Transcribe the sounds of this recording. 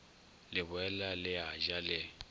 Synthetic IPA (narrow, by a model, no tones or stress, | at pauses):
lɪbwɛlalɪaʒalɪ